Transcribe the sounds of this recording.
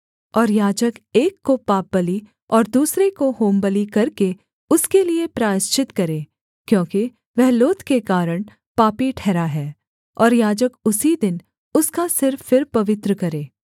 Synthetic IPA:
ɔːɾjaːd͡ʒəkeːkːopaːp̚bɐli | ɔːɾd̪uːsɾekoɦoːmbɐlikɐɾke | ʊskeliepɾaːst͡ʃɪt̪kɐɾẽː | kjõːki | ʋɛɦloːt̪kekaːɾəɽ̃ | paːpiʈʰɛːɾaɦɛː | ɔːɾjaːd͡ʒəkʊsid̪ɪn | ʊskasɪɾfːɪɾpɐʋɪt̪ɾəkɐɾeː

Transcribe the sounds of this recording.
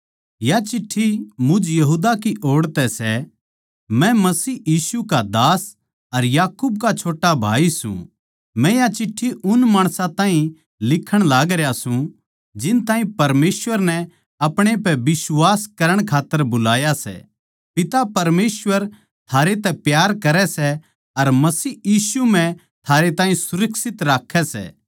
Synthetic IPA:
jat͡ʃɪʈʰːimʊ̃d͡ʒjɐɦuːd̪akiʔoːɽt̪ɛsɛ | mɛ̃mɐsiːjiːsukad̪aːs | ɐɾjaːkuːb̚kat͡ʃʰoːʈːabʱa̰ːisṵ̃ | mɛ̃jat͡ʃɪʈʰːiʔʊnmaːɽ̃sãt̪ãːĩ | lɪkʰːəɽ̃laːɡɾjasũ | d͡ʒɪnt̪ãːɦĩpɐɾmeːsʋəɾnɛ | ɐpɽ̃epɛbɪswaːskɐɾəɽ̃kʰaːt̪ːəɾbʊlaːjasɛ̰ | pɪt̪apɐɾmeːsʋəɾ | t̪ʰaːɾet̪ɛpjaːɾkɐɾɛsɛ | ɐɾmɐsiːjiːsum̤ɛ̃ | t̪ʰaːɾet̪ãːĩsʊɾəksɪt̪ɾaːkʰːɛsɛ̰ː

